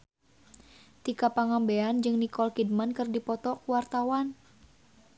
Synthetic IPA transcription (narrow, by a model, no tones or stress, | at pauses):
t̪ikapaŋambeand͡ʒɨŋnikɔlkidmankɨrdipɔt̪ɔkuwart̪awan